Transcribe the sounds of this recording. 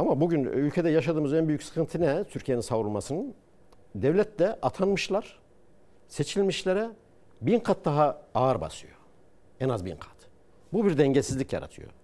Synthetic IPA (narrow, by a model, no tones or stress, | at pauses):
amabuɟynylʲcʰe̞d̪ɛjaʃad̪ɯːmɯzɛnbyjycʲsɯ̥kʰɯnt̪ʰɯnɛt̪ʰyɾcʰijeninsavuɾulˠmasɯnɯn | d̪ɛvlʲɛt̪lɛʔat̪ʰanmɯʃlˠaɾ̥ | se̞t͡ʃʰilʲmiʃlʲeɾɛ | binqʰat̪̚d̪aɦaaːɾba̰sɯ̰jo | ɛnazbḭnqʰḁt̪ | bubiɾd̪ɛɲɟesizlʲicja̰ɾa̰t̪ʰɯ̰jo̞̰